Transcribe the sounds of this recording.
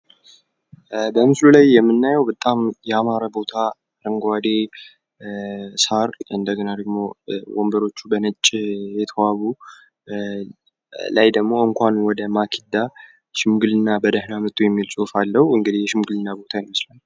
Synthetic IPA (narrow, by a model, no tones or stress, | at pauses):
bəmɨslulajːɛmːɨnːajɛwbət̪ʼamjɛamaɾəbo̞t̪ʰa | ɾɨŋɡwad̪e | saɾɨ̰nd̪əɡənad̪əɡmo̞wo̰mbəɾo̞t͡ʃːubənɨt͡ʃʼːjɛt̪ʰəwaβu | lajd̪əɡmo̞ɨŋkʷanwɔd̪əmakʰid̪ːa | ʃɪmɡɨlɨnːabəd̪əhnamɨt̪ʼujɛmːilsʼufalːəhuɨŋɡɨd̪ihjɛʃɪmɡɨlɨnːabo̞t̪ʰajɪməslanː